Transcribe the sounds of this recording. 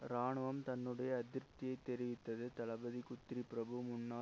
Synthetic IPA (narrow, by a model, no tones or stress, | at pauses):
ɾaːɳɯʋɐmt̪ɐnːɯɽɐjɐːd̪ɪɾt̪ɪjɐɪt̪ːɛɾɪʋɪt̪ːɐðɯt̪ɐlɐbɐðikʊt̪ːɾipɪɾɐbɯmʊɳːaː